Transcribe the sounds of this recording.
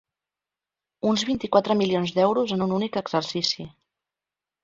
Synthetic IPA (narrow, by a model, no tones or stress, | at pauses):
unzβint̪ikwat̪ɾəmilionzd̪ɛwɾuzənununikəɡz̥ərsisi